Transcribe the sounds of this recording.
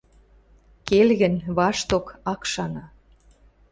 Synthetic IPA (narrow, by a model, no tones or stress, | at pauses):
kelɣə̆nβɑʃt̪okɑkʃɑnɑ